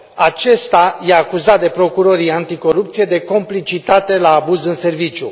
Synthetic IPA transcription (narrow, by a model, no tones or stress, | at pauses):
at͡ʃe̞st̪ajaːkuzat̪̚d̪e̞pɾo̞kuɾo̞ɾiant̪iko̞ɾupt̪sije̞d̪e̞ko̞mplit͡ʃit̪at̪e̞laːbuzɨnse̞rvit͡ʃju